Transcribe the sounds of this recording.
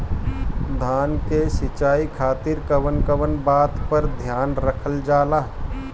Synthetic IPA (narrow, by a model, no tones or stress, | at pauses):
d̪ʱaːnkesɪt͡ʃaːikʰaːt̪ɪɾkəʋənkəʋənbaːt̪pəɾd̪ʱjaːnɾəkʰəld͡ʒaːlaː